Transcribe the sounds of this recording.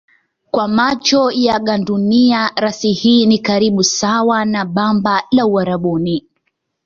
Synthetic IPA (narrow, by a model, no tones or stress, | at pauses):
kwamat͡ʃɔjaɠanduniaɾasihiːnikaɾiɓusawanaɓambalauaɾaɓɔni